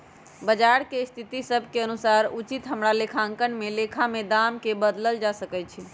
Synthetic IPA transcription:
bəd͡ʒaɾkest̪ʰit̪isəbʱkeənusaɾut͡ʃit̪ɦəmɾalekʰaŋkənmelekʰamed̪amkebəd̪ləld͡ʒasəkɛt͡ʃʰi

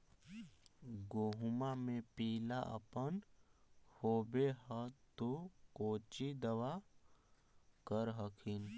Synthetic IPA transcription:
ɡoːɦumamẽpiːlaʔə̰pən | hoːbeɦət̪okoːt͡ʃid̪əwa | kəɾɦəkʰɪn

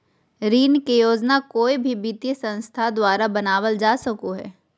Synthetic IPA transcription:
ɾiːnkejoːd͡ʒnakoːibʱibit̪ijəsɐ̃nst̪ʰad̪waːɾabɐnaːʋəld͡ʒaːsɐkoɦɛ̰ː

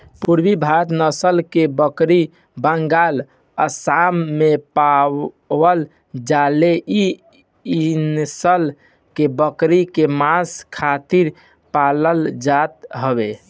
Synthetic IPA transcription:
puɾbibʱat̪nəsəlkebəkɾi | bəŋɡal | əsamːepa | wəl | d͡ʒaleʔi | insəl | kebəkɾikemaskʰat̪iɾ | paləld͡ʒat̪ɦəbe

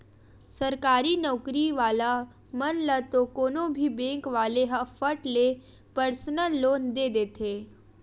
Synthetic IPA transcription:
sɐɾkaːɾinɔːkɾiʋaːla | mɐnlət̪okoːnõbʱibẽːŋkʋaːleɦɐfəʈle | pəɾsnəlːoːnd̪eːd̪eːt̪ʰeː

